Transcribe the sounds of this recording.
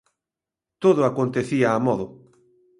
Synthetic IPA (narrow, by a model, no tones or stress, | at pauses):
t̪oðʊakont̪eθiaːmɔðʊ